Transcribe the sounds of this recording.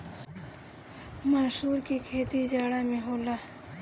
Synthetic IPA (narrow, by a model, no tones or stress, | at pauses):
maːʃuːɾkikʰeːt̪id͡ʒaːɽaːmẽɦoːlaː